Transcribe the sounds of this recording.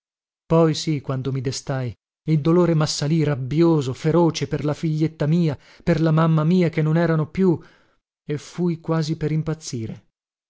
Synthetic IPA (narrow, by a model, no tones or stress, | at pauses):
pɔjsikwand̪omid̪est̪aj | ild̪oloːɾemasːalirabːjoːzofeɾoːt͡ʃeperlafiʎːet̪ːamiːa | perlamamːamiːakenːonɛːɾanopju | efujkwaːzipeɾimpat̪sːiːɾe